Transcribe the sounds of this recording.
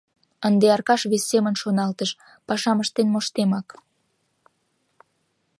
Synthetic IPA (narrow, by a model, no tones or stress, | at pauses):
ənd̪eɑrkɑʃβesːemənʃonɑlt̪əʃ | pɑʃɑməʃt̪enmoʃt̪emɑk